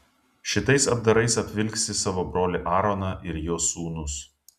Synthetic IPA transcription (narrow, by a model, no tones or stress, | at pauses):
ʃʲɪt̪ɐɪsɐbd̪ɐɾɐɪsɐpʲʋʲɪlʲksʲɪsɑːʋoːbɾoːlʲɪʔɑːɾoːnɑːʔɪɾjoːsuːnʊs